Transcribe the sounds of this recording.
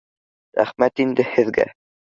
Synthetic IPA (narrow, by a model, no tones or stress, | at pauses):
ɾæ̰χmæt̪ind̪ɘhɘ̆ðɡæ̰